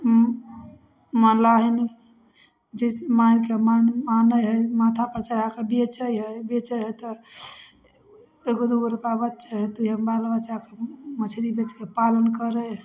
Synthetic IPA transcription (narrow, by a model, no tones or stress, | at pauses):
mənlaɦini | d͡ʒəsemankemanmanəjɦəjmat̪ʰapɾt͡ʃaɾakebet͡ʃəjɦəjbet͡ʃəɦəjt̪ɔ | eɡod̪uəɾupabətːt͡ʃəɦət̪iɦəmbalbətːt͡ʃakemət͡ʃʰɾibet͡ʃkepalənkəɾə